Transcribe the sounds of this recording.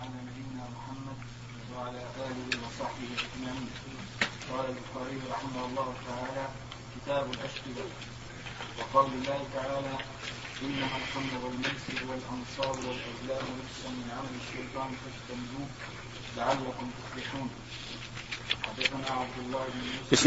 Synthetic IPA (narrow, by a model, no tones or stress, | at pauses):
ʕanamabijnaːmʊħamːad̪ | waʕalaːʔaːlɪhɪwɑsˤɑħbɪhɪlʔɪd͡ʒmaʕiːn | qɑːlalbʊxaːɾɪjɾˤɑħɪmahʊlˤːɑːhʊt̪aʕaːlaː | kɪt̪aːbalʔaʃk̪ɪd̪a | wɑqɑːlbɪlːaːhɪt̪aʕaːlaː | ʔɪnːamalxɑnɾʊɣalmʊːsɪbwalʔɑnsˤɑːɾˤwalʔɪslaːmlafsamɪnʕamalɪʃːajt̪ˤɑːnt̪ad͡ʒt̪amɪd̪uː | laʕalːakʊmt̪ʊflɪħuːn | ħad̪ːaθanaːʕab̚d̪ʊlˤːɑːhɪbnʊ